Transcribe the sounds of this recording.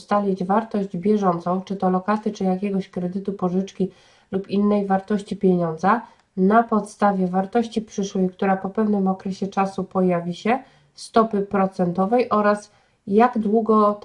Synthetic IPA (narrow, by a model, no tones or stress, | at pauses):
st̪alʲid͡ʑvaɾt̪ɔʑd͡ʑbʲjɛʐɔnt̪sɔ̃w̃t͡ʂɘt̪ɔlɔkast̪ɘt͡ʂɘjakʲɛɡɔɕkɾɛd̪ɘt̪upɔʐɘt͡ʂkʲi | lupinːɛjvaɾt̪ɔɕt͡ɕipʲjeɲɔnd̪za | napɔt̪st̪avʲjɛvaɾt̪ɔɕt͡ɕipʂɘʂwɛjkt̪uɾapɔpɛvnɘmɔkɾɛɕɛt͡ʂasupɔjavʲiɕɛ | st̪ɔpɘpɾɔt̪sɛnt̪ɔvɛjʔɔɾas | jaɡd̪wuɡɔ